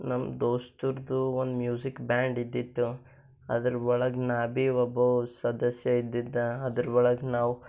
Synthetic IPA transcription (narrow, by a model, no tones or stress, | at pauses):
nɐmd̪oːsʈuɾd̪uond̪mjuːd͡ʒikbaːɳɖid̪ːit̪ːu | ɐ̰d̪ɐɾʋɔɭɐɡnaːbiʋɐbosɐd̪ɐsjɐid̪ːid̪ːɐɐd̪ɐɾʋɔɭɐɡnaːʋu